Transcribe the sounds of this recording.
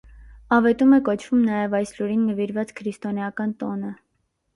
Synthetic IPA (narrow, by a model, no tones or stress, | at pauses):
ɑvɛt̪umɛkɔt͡ʃʰv̥umnɑjɛvɑjsluɾinːəviɾvɑt͡skʰɾist̪ɔnjɑkɑnt̪ɔnə